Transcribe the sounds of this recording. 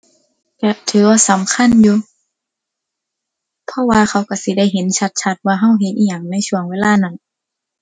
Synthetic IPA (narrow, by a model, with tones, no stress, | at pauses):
ka˧˩t̪ʰɯː˨˦waː˧sa˨˦mkʰa˧˥˨njuː˧ | pʰɔ˧˨waː˧xʰa˧˩wka˧˩si˧˦da˧˥˨jɦe˨˦nt͡ɕʰa˧˦t̪̚t͡ɕʰa˧˥t̪̚waː˧ɦa˧˥˩wɦe˧˦t̪̚ʔiː˧˨ɲaː˨˩ŋna˧˥˨jsu˧˩əŋweː˧˨laː˧˥˨na˧˩˨n